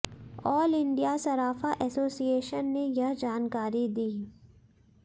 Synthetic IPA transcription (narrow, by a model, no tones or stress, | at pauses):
ɔːlɪ̃ɳɖijasɐɾaːfaʔɛːsoːsieːʃənːejɐɦd͡ʒaːnkaːɾid̪iː